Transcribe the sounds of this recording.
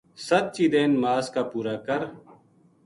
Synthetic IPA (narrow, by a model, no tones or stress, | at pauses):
sət̪̚t͡ʃiːd̪eːnmaːzkaːpuːɾaːkəɾ